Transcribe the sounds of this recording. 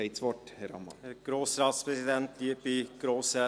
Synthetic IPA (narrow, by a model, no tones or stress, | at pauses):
ɛɪt̪sʋɔʈhɛɾɑ̰mːɑ̰hæɾɡ̥ɾoːsɾɑːt̪spʰɾɛsɪd̪ɛnt̪liːpiɡ̥ɾoːsə